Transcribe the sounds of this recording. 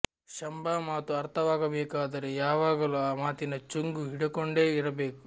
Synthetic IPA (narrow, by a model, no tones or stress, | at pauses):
ʃɐmbaːmaːt̪uɐɾt̪ʰɐʋaːɡɐbɛːkaːd̪ɐɾejaːʋaːɡɐluːaːmaːt̪inɐt͡ʃuŋɡuɦiɽɐkoɳɖe̞ːiɾɐbeːku